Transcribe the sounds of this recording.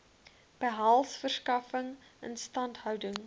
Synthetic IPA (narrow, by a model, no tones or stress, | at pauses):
b̥əɦɐlˠsfərskɐfəŋə̰nstɐntɦœwdəŋ